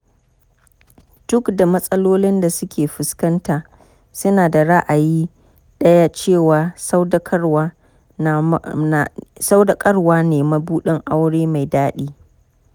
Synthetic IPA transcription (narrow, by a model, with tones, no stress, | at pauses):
tʊ˦kda˨mɐ˦sʼɐ˦loː˦lɪ˦nda˨sʊ˦kʲʰeː˨ɸɪ˨skɐ˦ntaː˨ | sʊ˦naː˨da˨ɽa˦ʔa˨jiː˦ | ɗɐ˦ja˦t͡ʃeː˦˨waː˨sa˦wdɐ˦kʼɐ˦ɽwaː˦˨ | sa˦wdɐ˨kʼɐ˦ɽwaː˦neː˨mɐ˦buː˦ɗɪ˦ŋʔa˦wɽeː˦ma˨jdaː˦ɗiː˦